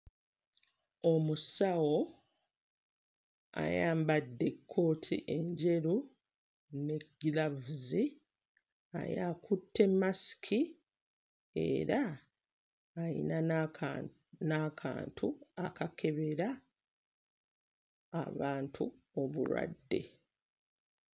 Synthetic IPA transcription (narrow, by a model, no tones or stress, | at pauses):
omusawo̞ | a̰jaːmbadːe̞kʰːo̞ːtʰḭʔe̞ɲɟe̞ɾu | ne̞ɡilavuzi | a̰jaːkutːe̞mːasi̥kʰi | e̞̰ɾa | jḭna | naka̰ːntʰuakakʰe̞βe̞ɾa | βaːntʰu | o̞βṵɾwa̰dːe̞̰